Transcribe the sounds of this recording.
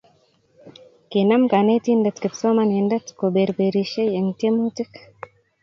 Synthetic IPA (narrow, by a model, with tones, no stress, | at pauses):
ki˨na˦mka˨ne˦t̪i˦ndɐ˨t̪ki˨tso˦mane˨ndɐ˦tkobe˨ɾbeɾiʃe˦je˨ŋte˦mu˦ti˦k